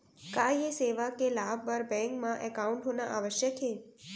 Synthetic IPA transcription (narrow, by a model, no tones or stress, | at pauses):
kaeseʋakelabbəɾbɛ̃ŋkmãʔɛkauɳʈɦonaʔaʋəʃjəkʰe